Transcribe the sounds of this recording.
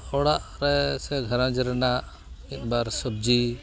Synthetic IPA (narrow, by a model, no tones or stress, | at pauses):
ɔɽaʔɾɛsɛɡʱəɾãd͡ʒiɾɛnaʔ | it̪̚ˀbaɾsəb̚d͡ʒi